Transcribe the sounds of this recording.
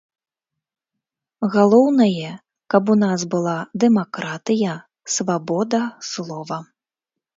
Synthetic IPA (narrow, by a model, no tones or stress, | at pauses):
ɣalˠɔwnɐjɛ | kɐp̬unazbɨlˠad̪ɛmakɾat̪ɨjɐ | svabɔd̪ɐslˠɔvɐ